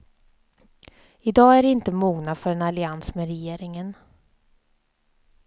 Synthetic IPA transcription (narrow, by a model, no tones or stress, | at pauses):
ɪd̪ɑːæɖɪnt̪əmuːɡnad̪fœɾɛnalɪansmeːɾɛjeːɾɪŋən